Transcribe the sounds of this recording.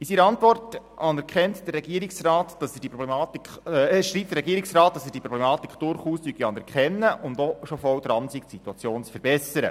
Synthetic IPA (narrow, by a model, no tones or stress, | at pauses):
isiɾəɑntʋɔrt | ɑnɛɾkχɛntd̥əɾrːɛɡiːɾiksrɑːtd̥ɑsd̥ipɾɔblɛmɑːtikχʃɾiːp̚t̪əɾɛɡiːɾiksrɑːt̚d̥ɑsəd̥iəpɾɔblɛmɑːt̪ikχd̥ʊɾχuːstyɡiɑnɛɾkχɛnːəʔʊnd̪ɔʃofɔwd̪ɾɑnsiksituɑt͡sjoːnt͡sfəɾb̥ɛsəɾə̰